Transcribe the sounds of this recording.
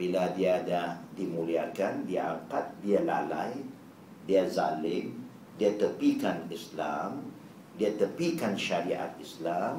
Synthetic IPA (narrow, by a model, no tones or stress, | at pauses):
biladiadadimuliakandiaaŋkat̪̚diala̰la̰j | diazalɪm | diat̪əpikanislam | diat̪əpikanʃaɾiʔa̰t̪̚islam